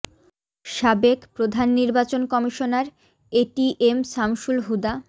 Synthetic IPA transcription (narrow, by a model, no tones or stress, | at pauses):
ʃabekpɾod̪ʱanːiɾbat͡ɕonkɔmiʃonaɾ | eʈiʔemsamʃulɦud̪a